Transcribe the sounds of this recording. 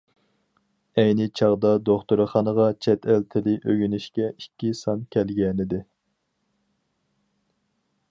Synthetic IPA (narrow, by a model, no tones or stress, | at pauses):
ɛjnɪt͡ʃʰɑʁd̪ɑd̪oχt̪uɾɨχɑnəʁɑt͡ʃʰɛt̪ʰælt̪ʰɪlɪʔøɡʲynyʃkʲɛikʲːisɑnkʲʰɛlɡʲɛnɪd̪ɪ